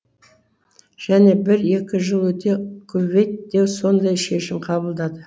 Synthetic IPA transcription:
ʒ̥æne̞bɪɾe̞kʲɪʒəlˠwɵt̪e̞kʲʰɵbe̞jt̪̚d̪e̞wso̞nd̪ɑjʃe̞ʃɪmqʰɑbəlˠd̪ɑd̪ə

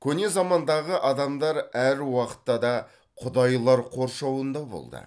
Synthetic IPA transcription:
kʲʰɵne̞zɑmɑnd̪ɑʁəʔɑd̪ɑmd̪ɑɾæɾwɑqə̥t̪ːɑd̪ɑ | qʰʊd̪ɑjlˠɑɾqʰo̞ɾʃɑwənd̪ɑbo̰lˠd̪ə̰

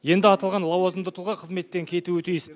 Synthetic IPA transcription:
je̞nd̪ɪɑt̪ɑlˠʁɑnlˠɑwɑzəmd̪ət̪ʰulˠʁɑqʰəzme̞t̪ːeŋkʲʰe̞t̪uwɪt̪ʰijɪs

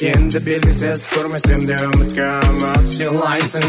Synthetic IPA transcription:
end̪ɪbe̞lɡʲɪsezkʲʰøɾmesemd̪emɪt̪kʲːenəʃelˠɑjsə

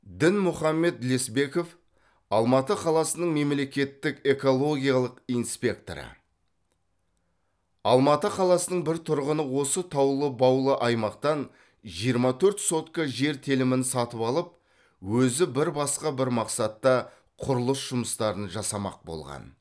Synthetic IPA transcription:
d̪ɪnmʊχɑmːe̞t̪̚ːle̞sbe̞ko̞f | ɑlˠmɑt̪əqʰɑlˠɑsənəɴme̞mle̞kʲe̞t̪ːɪke̞ko̞lˠo̞ɡʲijɑlˠəqinspʲe̞k̚t̪o̰ɾə̰ | ɑ̰lˠmɑt̪əqʰɑlˠɑsənəɴbɪɾt̪ʰʊɾʁənəwo̞sət̪ʰɑwlˠəbɑwlˠəʔɑjmɑqt̪ɑn | ʒijəɾmɑt̪ʰɵɾt̪so̞t̪kɑʒe̞ɾt̪ʰelɪmɪnsɑt̪əpɑlˠəp̚ | wɵzɪbɪɾbɑsqɑbɪɾmɑqsɑt̪ːɑ | qʰʊɾʊlˠəsʒʊməst̪ɑɾənʒɑsɑmɑ̰q̚bo̞̰lˠʁɑ̰n

